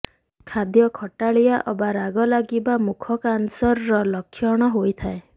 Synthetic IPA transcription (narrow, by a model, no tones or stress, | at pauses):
kʰad̪jɔkʰɔʈaɭijaʔɔbaɾaɡɔlaɡibamukʰɔkansɔɾːɔlɔkʰːjɔɽ̃ɔɦojt̪ʰae